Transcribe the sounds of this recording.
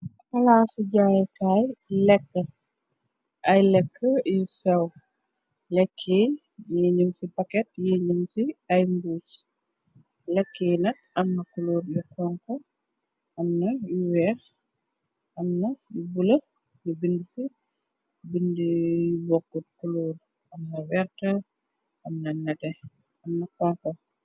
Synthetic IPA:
kɐlaːsiɟaːjkajlɛkːə | ʔɐjlɛkʰːəjisɐw | lɛkʰːe | jeːɲumsipɐkɛt̚jeɲumsiɐjmbuːs | lɛkʰːeːjnɐtɐmːɐkuloːɾjɔkʰɐŋkɔ | ʔɐmnɐjuwɛːɾ | ɐmnɐjubulɐ | nubindisi | bindijubɔkːut̚kuloːd | ɐmnɐwɛrtɐ | ɐmnɐnɐtɛ | ɐmnɐkaŋkɐ

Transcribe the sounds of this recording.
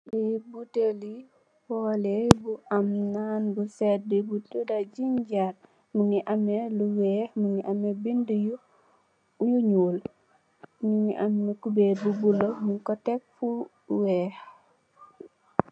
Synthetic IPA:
libuteli | pɔlebuʔamnanbusɛt̚dibuudad͡ʒiɲɟat̚ | muŋiʔamːeluwɛːhmuŋiʔamebinduju | ujuɲul | muŋiʔamːekubebubulomuŋkɔtɛk̚fu | wɛːh

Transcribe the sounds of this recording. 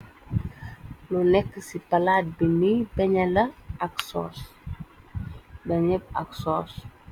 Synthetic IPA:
lunɛkːəsipɐlaːt̚binibɛɲɐlɐɐksɔ̰ːs | bɐɲəp̚ɐ̰ksɔːs

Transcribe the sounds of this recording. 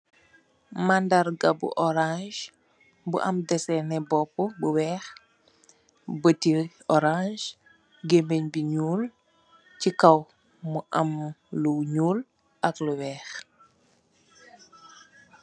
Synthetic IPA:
mandaɾɡabṵʔɔɾãʒ | bṵʔɐ̰mdɛsɛnɛbɔpːubuwɛːx | bəti | ɔɾãʒ | ɡembeɲbiɲuːl | cikaw | muʔɐmluɲuːl | ʔɐkluwɛːx

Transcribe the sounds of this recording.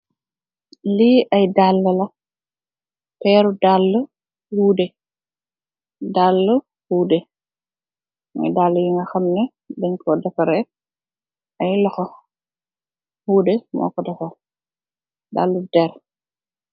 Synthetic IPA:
liʔɐjdalːɐlɐ | pɛːɾudalːə | huːdɛ | dalːə | huːdɛ | mɔ̰jdalːəjiŋɡɐxɐmnɛ | dɛŋkʰɔdɛfɐɾɛ | ɐjlɐxɔ | huːdɛmɔ̰ːkːɔdɐfɐ | da̰ːlːudɛɾ

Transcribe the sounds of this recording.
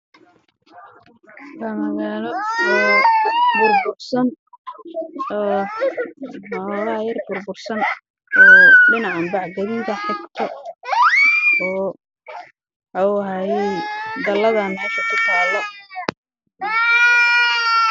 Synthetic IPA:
kɐmɐɣalɔɔːbʊrbʊrsɐn | ɔː | malɐɐjɐrbʊrbʊrsɐn | ɔːɖɪnɑʕambɑʕɡɐɾiːðɐħɐkt̪ʰɐ | ɔː | ħɑwɦajɛjd̪ɐlːɐðanhɛːʃɐkʰʊt̪ʰaːlːɔ

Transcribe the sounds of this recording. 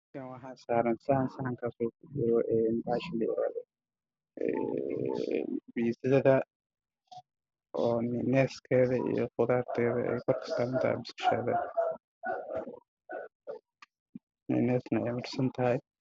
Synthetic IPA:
kʰɐnwɑħaːnsaːɾɐnsɐhɐnsɐhɐŋkʰaːsuːkʰʊdɪɾɔʔɛːnbaːʃɪlɐɪ̰ɾa̰ːðɛ | ɛ̰ | bisðɐðɐ | ʔɔːnɪnɛːskʰɛːðɐḭjɔ̰qʊðaːrt̪ʰɛːðɐ̰ʔɛ̰jkʰɔrkʰɐ̥saːɾɐnt̪ʰɐ̰a̰bɪsʃɛ̰ːðɐ | nɪ̰nɛːsnɐɛjmʊrsɐnt̪ʰɐɦɐj

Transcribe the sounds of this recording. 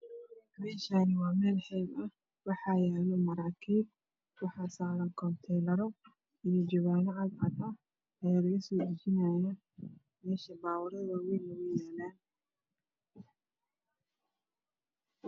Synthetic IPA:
mɛːʃanɪwɑːmɛːlħɛːbɐ | wɑħɑjɛːlɔmɐɾaːkʰiːb | wɑħɑːsaːɾɐŋkʰɔnt̪ʰɛlɐɾɔ | ɪjɔd͡ʒɔɣaːnɐʕɑd̪ʕɑd̪ɐ | ɐjaːlɐɣɐsɔːɪd͡ʒɪnajɐ | mɛːʃɐbaːwɑɾɐðɐwɛmɐɣʊjaːlaːn

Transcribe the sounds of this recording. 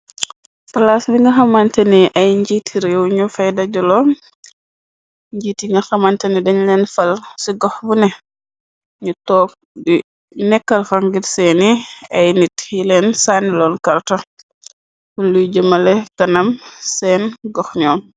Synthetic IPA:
pɐlasbiŋɡɐxɐmantɐniʔɐjɲɟitʰiɾewɲufɐjdɐɟɔlɔ | ɲɟiːtiŋɡɐxɐmantɐnidɐɲlɛnfɐlsiɡɔxbunɛ | ɲutɔːp̚ | bi | nɛkːɐlfaŋɡiɾsɛniɐjnitjilɛnsaːnːilɔːnkɐrta | fulujɟəmɐlɛkɐnɐmsɛnɡɔxɲɔːm

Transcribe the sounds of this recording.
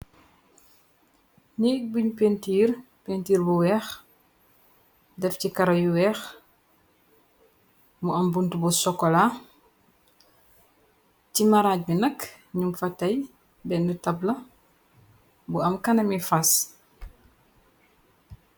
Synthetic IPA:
ɲibuɲpentiːr | pentiːɾbuwɛːx | dɛfcikɐɾɐjuwɛːx | muɐmbuntubusɔkːɔla | cimɐɾaːc̚binɐk | ɲumfɐtɐj | bɛndutɐblɐ | buɐmkɐnɐmifɐs

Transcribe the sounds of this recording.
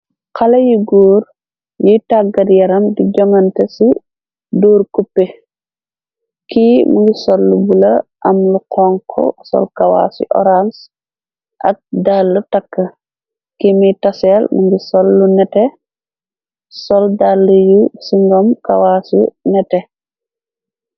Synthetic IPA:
kɐlɐjuɡuːɾ | jitaɡɐdjɐɾɐmdiɟɔŋɐntɐsi | duːɾkupːe | kimṵŋɡisɔlːubulɐʔɐmluqʰɔːŋkʰɔ̰sɔ̰lkawa̰sṵʔɔ̰ɾans | ʔɐ̰k̚dalːutakːɐ | kimitasɛlmuŋɡisɔlːunɛtɛ | sɔldalːujusiŋɡɔmkawasṵnɛtɛ

